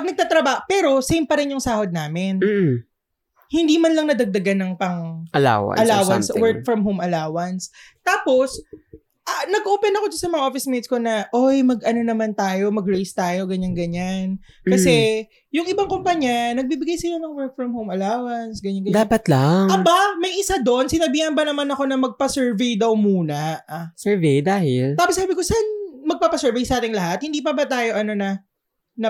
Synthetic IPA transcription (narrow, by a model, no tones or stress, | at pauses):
pɐɡnɐɡ̚t̪aːt̪ɾɐbaːhopɛːɾo̞sejmpɐɾɪnjʊŋsaːhod̪̚naːmɪn | hɪnd̪iːmɐnlɐŋnɐd̪ɐɡ̚d̪ɐɡanːɐŋpɐŋʔɐla̰ːwɐ̰ɐlaːwɐnswɛɹk̚fɹɐmɦowmʔɐlaːwɐnst̪aːpo̞s | ʔɐnɐɡ̚kːɐʔoːpɛnɐko̞d͡ʒɐsɐmɐŋɐʔofɪsmit̪sko̞nɐʔojmɐɡʔɐno̞nɐmant̪aːjo̞mɐɡɹejst̪aːjo̞ɡɐɲaŋɡɐɲan | kɐsɛ | jʊŋʔɪbaŋkompɐɲanɐɡ̚bibɪɡajsɪlanɐŋwɛɹk̚fɹɐmhowmɐlaːwɐnsɡɐɲɐnŋɡɐdɲaːpɐt̪laŋɐbamɐjʔɪsad̪o̞nsɪnɐbiːhɐnbɐnɐmanɐko̞nɐmɐɡ̚pɐsɛɹvejd̪ɐwmuːnɐʔsɛvejd̪aːhɪlaːpɐsaːbɪko̞sanmɐɡ̚papɐsɛɹvejsɐʔaːt̪ɪŋlɐɦat̪̚hɪnd̪iːpɐbɐt̪aːjo̞ʔɐno̞nɐ | nɐ